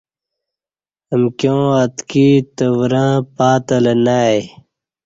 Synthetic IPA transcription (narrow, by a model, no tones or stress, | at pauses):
əmkjõːat̪kit̪əwɾãpaːt̪ɐlɐnaj